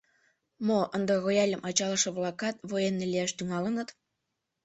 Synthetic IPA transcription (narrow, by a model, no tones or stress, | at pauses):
moʔənd̪əɣojɑlʲəmʔɑt͡ɕɑləʃɤβlɑkɑt̪̚βojenːeliæʃt̪yŋɑlənət̪